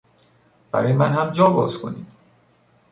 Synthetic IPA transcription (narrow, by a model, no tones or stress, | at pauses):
b̥æ̰ɾɒːjemænhæmd͡ʒɒːbɒ̰ːzkʰo̞̰nḭːd̪̥